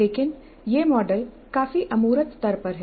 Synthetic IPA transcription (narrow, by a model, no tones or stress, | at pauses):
leːkɪn | jeːmɔːɖəl | kaːfiʔɐmuːɾət̪t̪ɐɾpɐɾɦɛː